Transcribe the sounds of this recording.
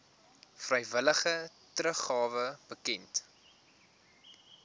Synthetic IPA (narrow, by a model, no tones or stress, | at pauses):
frəjvələχə | trəχɑːvəb̥əkɛnt